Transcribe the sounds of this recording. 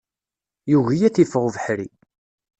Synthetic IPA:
juʝijæθifəʁvəħɾi

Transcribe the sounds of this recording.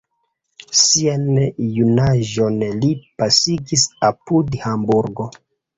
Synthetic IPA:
sianjunaʒo̞nlipasiɡisapudhambuɾɡo̞

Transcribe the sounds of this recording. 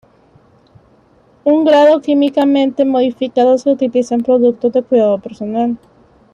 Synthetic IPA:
uŋɡɾaðo̞kimikamẽ̞nt̪e̞mo̞ð̞ifikaðoseut̪ilisampɾo̞ðuk̚t̪o̞zðe̞kwiðaðope̞ɾso̞nal

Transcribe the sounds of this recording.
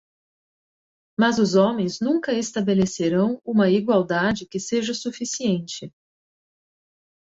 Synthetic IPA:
mɐzʊzõmẽj̃znũŋkɐest̪abeleseɾɐ̃w̃ũmɐiɡwawd̪ad͡ʒɪkɪseʒɐsufisiẽnt͡ʃɪ

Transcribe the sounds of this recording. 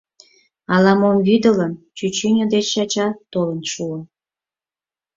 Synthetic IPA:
ɑlɑmomβyd̪ələnt͡ɕyt͡ɕynʲod̪et͡ɕːɑt͡ɕɑt̪olənʃuə

